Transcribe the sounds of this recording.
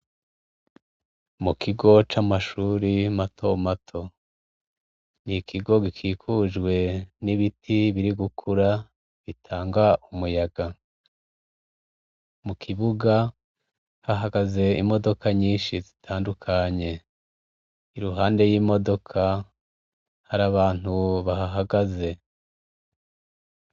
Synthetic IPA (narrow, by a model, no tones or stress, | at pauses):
mukʰiɡo̞t͡ʃamaʃuːɾimatʰo̞matʰo̞ | nikʰiɡo̞ɡikʰiːkʰuʒɡwe̞niβitʰiβiɾiɡukʰuɾa | βitʰaːŋɡaʔumujaɡ̥a | mukʰiβuɡa | haɦaɡaze̞ḭmo̞do̞kaɲiːnʃizitʰaːndukʰaɲe̞ | iɾuɦaːnde̞jiːmo̞do̞kʰa | haɾaβaːn̥huβaɦaɦaɡaze̞